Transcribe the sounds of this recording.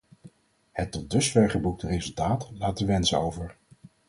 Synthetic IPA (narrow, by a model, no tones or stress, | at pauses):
hətːɔt̚dɵsfɛɹχəbuk̚tərejzɵlˠtaːtlaːtəʋɛnsəowvəɹ